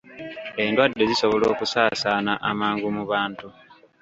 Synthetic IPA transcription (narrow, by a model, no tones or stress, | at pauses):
e̞ndwadːe̞ziso̞βo̞lo̞ːkusaːsaːnaʔamaːŋɡumuβaːntu